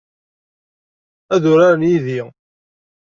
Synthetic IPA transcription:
æðʊɾaɾənjiði

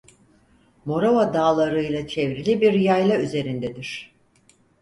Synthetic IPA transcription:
mo̞ɾavad̪aːlˠaɾɯjlˠat͡ʃʰevɾilʲibiɾjajlˠayze̞ɾind̪ɛd̪iɾ̥

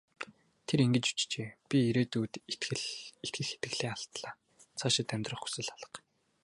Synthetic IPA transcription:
t̪ʰeɾiŋɡɘ̆t͡ɕu̥t͡ɕt͡ɕeːpʲiiɾeːt̪uːt̪t̪ɡɘ̆et̪ɡɘ̆xxe̥t̪ɡɘ̆ɮeːaɬt̪ɮaː | t͡sʰaʃɪ̆t̪ːæmʲt̪rə̆χu̥sɘ̆ɮaɮə̆q

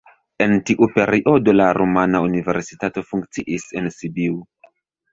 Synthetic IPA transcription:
e̞ntiʔupe̞ɾiʔodo̞laɾʔomanaunive̞ɾsitato̞fuŋk̚t͡siʔise̞nsibiw

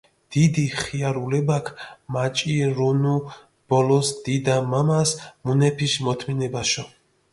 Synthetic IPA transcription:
d̪̥id̪iχiaɾulɛbakʰmat͡ʃʼiɾunu | b̥ɔlɔsd̪id̪amamasmunɛpʰiʃmɔt̪ʰminɛbaʃɔ

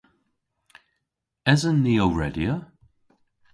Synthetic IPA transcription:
ɛzənːiːəɹɛdiə

